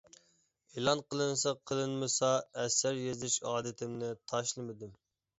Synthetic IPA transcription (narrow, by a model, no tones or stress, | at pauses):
elˠɑnqʰəlˠɨnsɑqʰːəlˠɨnmɨsɑɛsːæɾjezɪʃɑːd̪ɨt̪ʰɪmnɪt̪ʰɑʃlˠɨmɨd̪ɪm